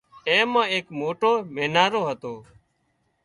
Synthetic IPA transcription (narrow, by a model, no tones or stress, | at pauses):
ẽːmãːeːkmoːʈoːmeːnaːɾoːɦət̪oː